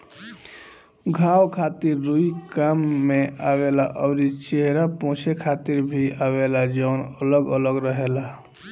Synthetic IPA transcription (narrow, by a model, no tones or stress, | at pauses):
ɡʱawkʰat̪iɾːuikamːeawelaʔəʊɾit͡ʃeɦɾapõːt͡ʃʰekʰat̪iɾbʱiawelad͡ʒɔʊnələɡələɡɾəɦela